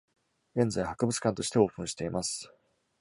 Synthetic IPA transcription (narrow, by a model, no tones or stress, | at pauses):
ɡẽ̞nzaihakɯ̟bɯ̟t͡sɨ̥kãnt̪o̞ɕi̥t̪e̞o̞ːpɯ̟̃ɰ̃ɕi̥t̪e̞imasɨ̥